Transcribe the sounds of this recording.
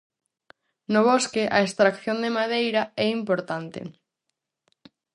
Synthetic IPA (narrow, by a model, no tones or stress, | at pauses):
nʊβ̞oskɪʔaest̪ɾakθjond̪emaðejɾɐɛimpoɾt̪ant̪ɪ̰